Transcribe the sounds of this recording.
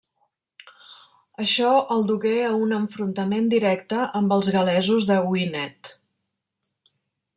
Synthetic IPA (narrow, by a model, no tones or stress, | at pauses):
əʃɔəlˠd̪uɣeəunəɱfɾunt̪əmend̪iɾɛkt̪əʔəmbəlˠzɣəlɛzuzðəwinɛt̪